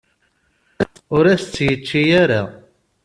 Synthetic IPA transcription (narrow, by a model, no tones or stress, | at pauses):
ʊɾæst͡sːjət͡ʃːijæɾæ̰